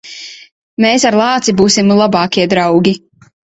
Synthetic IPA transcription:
meːsaɾlˠɑːt̪sibuːsimlˠabɑːkʲiɛd̪ɾawɡʲi

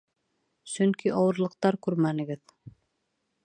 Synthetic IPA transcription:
sɵŋkiʔɑwɤ̆ɾlˠɤ̆q̚t̪ɑɾkʉɾmænɘ̆ɡɘð

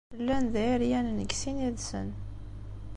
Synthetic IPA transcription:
əlːænðæɾjænnəɡsiniðsə̰n

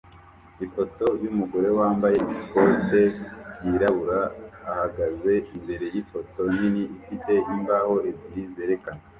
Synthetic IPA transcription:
ifo̞to̞ɾjumuɡo̞ɾe̞waːmbaje̞ikote̞jiɾaβuɾaːhaɡaze̞imbe̞ɾe̞jifo̞to̞jiniifite̞ʔimbaho̞ebiize̞ɾe̞kana

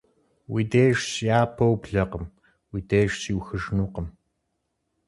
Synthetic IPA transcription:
wideːʂsjaːpʰɐwbɮɐqəm | wideːʂsiwxɨʐnuːqəm

